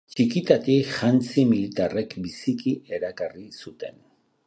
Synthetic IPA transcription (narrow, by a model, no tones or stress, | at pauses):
t͡ʃikit̪at̪iʝant͡similit̪are̞kbisikie̞ɾakarisut̪e̞n